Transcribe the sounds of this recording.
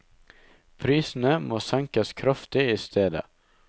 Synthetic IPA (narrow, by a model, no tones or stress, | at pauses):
pʰɾiːsn̩əmoːsɛŋkɑskʰɾɑft̪ɪiːst̪ʰeːd̪ə̰